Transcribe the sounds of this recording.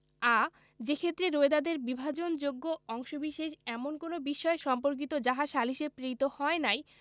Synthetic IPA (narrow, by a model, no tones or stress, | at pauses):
a | d͡ʑekʰet̪ːɾeɾoed̪ad̪eɾbibʱad͡ʑond͡ʑoɡːoɔŋʃobiʃeʃɛmonkonobiʃɔeʃɔmpoɾk̬it̪od͡ʑaɦaʃaliʃepɾit̪ohɔenaj